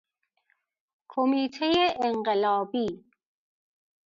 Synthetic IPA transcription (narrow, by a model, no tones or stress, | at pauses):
kʰomiːt̪ʰejeʔːŋɢelɒːbiː